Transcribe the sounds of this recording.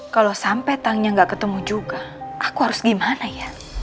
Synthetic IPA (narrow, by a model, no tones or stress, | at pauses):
kalosampɛt̪aŋɲaŋɡaʔkət̪əmud͡ʒuɡaʔakuɦaɾʊsɡimanaja